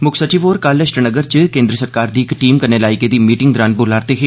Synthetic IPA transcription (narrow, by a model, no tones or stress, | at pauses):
mʊkʰsət͡ʃifoːɾkaːləʃʈənəɡəɾt͡ʃkẽːnd̪ɾəsəɾkaːɾd̪iːɪkʈiːmkənelaːɪked̪iːmiːʈɪ̃ŋɡd̪ɾaːnbolaːɾt̪eɦeː